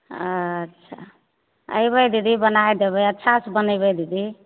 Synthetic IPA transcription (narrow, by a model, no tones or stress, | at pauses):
ətːʃʰa̰ | ə̰jbəjd̪id̪ibənajd̪eβəjətːʃʰasbənəjbəjd̪id̪i